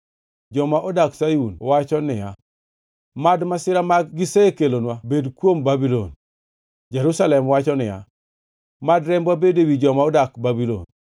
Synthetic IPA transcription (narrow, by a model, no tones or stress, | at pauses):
d͡ʒɔmaʔɔdaksajunwat͡ʃɔnɪja | madmasɪɾamaɡɡɪsekelonwabedkwombabilo̰n | d͡ʒɛɾusalɛmwat͡ʃɔnɪja̰ | madɾɛmbabedewid͡ʒɔmaɔdakbabilo̰n